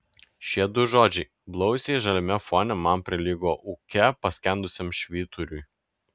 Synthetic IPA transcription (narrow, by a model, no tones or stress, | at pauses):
ʃʲiɛd̪ʊʒoːd͡ʒʲɛɪ | blˠɔʊsʲeʒɐlʲɪmʲɛfoːnʲɛmɐmpʲɾʲɪlʲiːɡoːʔʊkʲɛpɐsʲkʲɛnd̪ʊsʲeɛmʃʲʋʲiːt̪ʊɾʲʊj